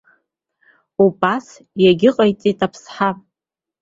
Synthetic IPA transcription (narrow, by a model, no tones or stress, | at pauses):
ubʼas | jaɡʲɪqʼajt͡sʼitʼapʰsħa